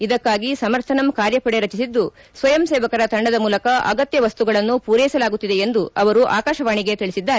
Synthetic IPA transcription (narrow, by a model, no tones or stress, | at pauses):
id̪ɐkːaːɡisɐmɐɾt̪ʰɐnɐmkaːɾjɐpɐɽe̞ɾɐt͡ʃisid̪ːu | sʋɐjɐmseːʋɐkɐɾɐt̪ɐɳɖɐd̪ɐmuːlɐkɐʔɐ̰ɡɐt̪jɐʋɐst̪uɡɐɭɐnːupuːɾɛːjsɐlaːɡut̪ːid̪e̞end̪uɐʋɐɾuʔaːkaːʃɐʋaːɳiɡet̪iɭisid̪ːaːɾe